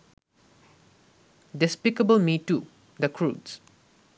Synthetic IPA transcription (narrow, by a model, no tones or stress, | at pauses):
dɪspɪkəbəlmitːu | d̪əkʰɹuds